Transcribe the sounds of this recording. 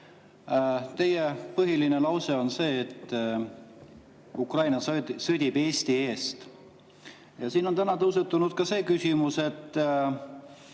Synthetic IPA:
t̪e̞jepɤɦilinelɑwse̞o̞nse̞ːt̪ː | ukrɑjnɑssɤd̪̥ʲib̥e̞ːst̪ie̞ːst̪ | jɑsiːno̞nt̪ænɑt̪ɤws̬et̪ːˑunud̪̥̚kɑse̞ːkysʲimuse̞t̪ː

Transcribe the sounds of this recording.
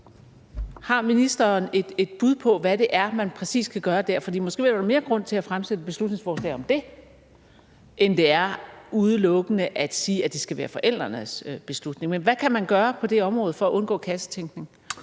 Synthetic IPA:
hɑ̈minisd̥ɐːne̝d̥ed̥̚b̥uðˠpʰɒ̽ʋæɾ̥e̝ʔæɐmænpʰʁɛsḭːskʰæɡ̥ɶːɐd̥æɐfɒd̥ḭːmɔ̽sɡ̥e̝̰ʋdme̝ːɐɡ̥ʁɔ̽n̰t͡sʰe̝læfʁamsed̥əb̥e̝slud̥ne̝ŋsfɒːslɛ̰ːɒ̽md̥e̝ | ʔend̥e̝æɐuð̞ˠəlɔ̽ɡ̥ənəʔæd̥siːæd̥e̝sɡ̥æʋæːɐfɒ̽ʔel̰d̥ʁɐnəsb̥e̝slud̥ne̝ŋmenʋækʰæmænɡ̥ɶːɐpʰɒ̽d̥e̝ɒ̽mʁɔːð̞̩ˠfɒ̽æʔɔ̽nɡ̥ɔ̰̽ːkʰæsə̥t͡sʰeŋɡ̥ne̝ŋ

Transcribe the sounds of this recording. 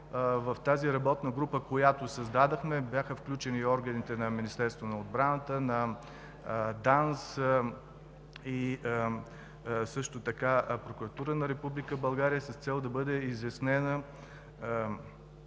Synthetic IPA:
vɐft̪aziɾɐbɔt̪nəɡɾupəkojat̪osɐzd̪ad̪ɐxmɛbjaxəfklʲut͡ʃɛniɔɾɡənit̪ɛnɐminist̪ɛɾst̪vonɐod̪̚bɾanət̪ənɐ | d̪ans | i | sɤʃt̪ot̪ɐkapɾokuɾɐt̪uɾənɐɾɛpublikəbɐlˠɡaɾiəsəst̪sɛlˠd̪ɐbɤd̪ɛizɐsnɛnə

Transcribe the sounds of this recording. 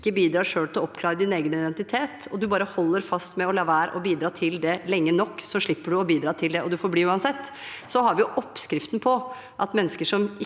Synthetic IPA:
kːəbiːd̪ɾɑːʂøːlt̪ɪlɔɔpːkʰlɑːɾəd̪ɪneːɡənɪd̪ɛnt̪ɪt̪ʰeːt̪ɔd̪ʉbɑːɾəhɔlːəɾfɑst̪mɛɔlɛʋæːɾ̰ʔɔbiːd̪ɾɑːt̪ʰɪld̪ɛlɛŋːənɔkːsɔʂɭɪpːəɖʉɔbiːd̪ɾɑːt̪ʰɪld̪ɛʔɔd̪ʉfɔɾbliːʉːɑnsɛt̪ː | sɔɦɑɾʋɪjʊʔɔpːskɾɪft̪npʰɔ | ʔɑt̪mɛnːəskəʂɔm

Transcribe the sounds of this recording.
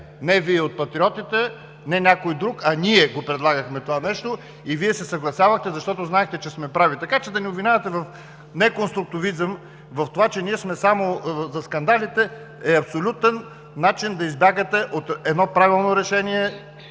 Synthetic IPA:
nɛviɛot̪̚pɐt̪ɾʲiɔt̪it̪ɛ | nɛnʲakojd̪ɾukɐnʲiɛɡopɾɛd̪lˠaɡəxmɛt̪ovanɛʃt̪o | iviɛsɛsɐɡlˠɐsjavəxt̪ɛzɐʃt̪ɔt̪ʊznaɛxt̪ɛt͡ʃɛsmɛpɾavit̪ɐkat͡ʃɛd̪ɐnɛoʊbvinʲavɐt̪ɛvɐf | nɛkonst̪ɾʊk̚t̪ʊvizəm | vɐft̪ovat͡ʃɛniɛsmɛsamozɐskɐnd̪alit̪ɛ | ɛɐpsolʲut̪ɛnː | at͡ʃind̪ɐizbʲjaɡət̪ɛʔot̪ɛd̪nɔpɾavilˠnoɾɛʃɛniɛ

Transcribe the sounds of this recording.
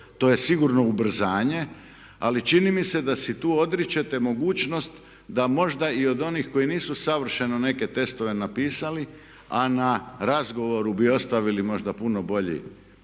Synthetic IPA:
t̪o̞jesiɡuɾno̞ubr̩zaːɲe̞ | alit͡ʃinimise̞d̪asit̪uːo̞d̪ɾit͡ʃet̪e̞mo̞ɡuːt͡ɕno̞st̪ | d̪amo̞ʒd̪aio̞d̪o̞nixko̞iniːsusaʋr̩ʃe̞none̞ke̞t̪e̞st̪o̞ʋe̞napiːsali | anaɾazɡo̞ʋo̞ɾubio̞st̪aʋilimo̞ʒd̪apuno̞bo̞ʎḭ

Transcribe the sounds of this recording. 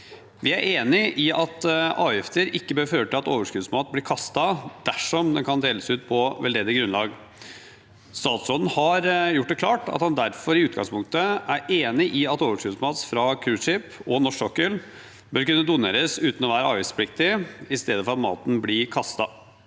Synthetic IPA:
ʋɪæɾʔeːnɪʔɪʔɑt̪ɑ̰ːɪft̪əɾɪkːəbøːɾføːəʈɪlɑt̪oːʋəʂkʉːd̪smɑːt̪blɪɾkʰɑst̪ɑd̪̥æʂɔmd̪ɛnkʰɑnd̪eːləsʉːt̪̚pʰɔʋɛ̰ld̪eːd̪ɪɡɾʉnlɑːɡ | st̪ɑːt̪sɔd̪n̩hɑɾjʊʈ̚ːd̪ɛkʰlɑːʈɑ̰t̪hɑnd̪æɾfɔɾɪʉːt̪̚ɡɑ̰ŋspʰʊŋk̚t̪əæɾeːnɪʔɪɑt̪oːʋəʂkʉːd̪smɑːt̪sfɾɑkʰɾʉːʂɪpɔnɔʂɔkːəl | bœɾkʉnːəd̪ʊnḛːɾəsʉːt̪n̩ɔʋæːɾəɑ̰ːʋɪspʰlɪk̚t̪ɪɪst̪eːd̪əfɔɾɑt̪mɑ̰ːt̪n̩blɪkʰɑst̪ɑ

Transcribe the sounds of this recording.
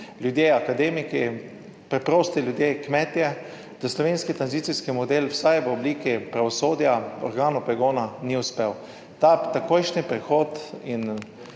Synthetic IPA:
ljud̪jeːakad̪eːmiki | pɾɛpɾoːst̪ilʲjud̪jeːkmɛːt̪jɛ | d̪̥aslɔʋeːnskit̪ɾanzit̪siskimɔd̪elwsajʋəobliːkipɾaʋɔsoːd̪jaɔ̰ɾɡaːnupɾɛɡoːnaniʊspew | t̪at̪akojʃnipɾɛxoːt̪in

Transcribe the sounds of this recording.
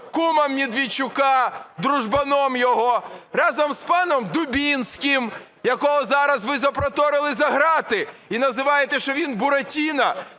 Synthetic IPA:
kumɐmːʲid̪ʋʲit͡ʃʊkɑd̪ɾuʒbɐnɔmjɔɦɔrɑzɐmspɑnɔmd̪ʊbʲinsʲkɪm | jɐkɔɦɔzɑɾɐzʋɪzɐpɾɔt̪ɔɾɪlˠɪzɐɦɾɑt̪ɪinɐzɪʋɑjet̪ɛʃt͡ʃɔʋʲinbʊɾɐtʲinɐ

